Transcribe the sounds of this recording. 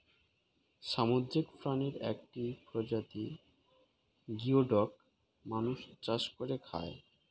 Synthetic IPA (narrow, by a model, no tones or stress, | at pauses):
ʃamodɾekfɾaneɾɛ̰k̚ʈipɾod͡ʑat̪i | ɡioɖɔk | manuʃt͡ɕaʃkoɾekʰa̰e